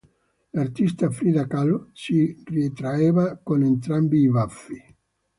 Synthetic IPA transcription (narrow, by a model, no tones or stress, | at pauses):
lart̪ist̪afɾiðakalsirit̪ɾaeːvakonent̪ɾambiːvafːi